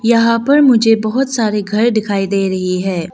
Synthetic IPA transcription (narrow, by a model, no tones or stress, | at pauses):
jɐɦãpɐɾmʊd͡ʒʱebɐɦʊt̪saːɾeɡʱɐɾɖɪkʰaːid̪eːɾɐɦiɦɛ̃ː